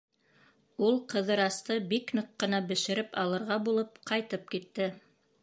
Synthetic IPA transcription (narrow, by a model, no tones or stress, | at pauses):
ulˠqɤ̆ðɤ̆ɾɑst̪ɤbiknɤqːɤ̆nɑbɘ̆ʃɘ̆ɾɘpɑlˠɤ̆ɾʁɑbulˠɤpqɑjt̪ɤp̚kit̪ːɘ